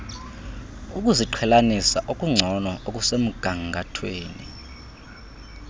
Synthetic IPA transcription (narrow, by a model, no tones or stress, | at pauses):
ukʼuziǃʰɛlanisaʔokʼuŋ͡ǀʱɔnɔʔokʼusem̩ɡ̥ʱaŋɡʱatʰweːnḭ